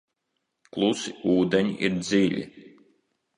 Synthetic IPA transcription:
klˠusiuːd̪eɲḭʔiɾd̪ziːlʲḭ

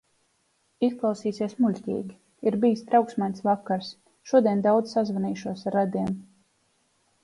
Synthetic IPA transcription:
isklˠawsiːsieɛsmulʲtʲḭːɡʲi | iɾbijist̪ɾawksmajnt̪svakːaɾs | ʃuɔd̪ʲiɛnd̪awd̪z̥sazvaniːʃuɔsɾad̪iɛm

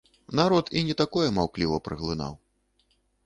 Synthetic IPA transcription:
naɾɔt̪inʲɛt̪akɔjɛmawklʲivɐpɾɨ̰ɣlˠɨna̰w

